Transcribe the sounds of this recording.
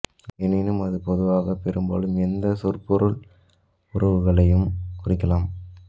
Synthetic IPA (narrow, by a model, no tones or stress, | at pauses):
ɛnɪnɯmɐðɯpɔðɯʋaːɣɐpɛɾɯmbo̰ːlɯmɛnd̪ɐsʊrpɔɾɯɭ | ʊɾɐʋɯɣɐɭɐjɯmkʊrɪkːɐlaːm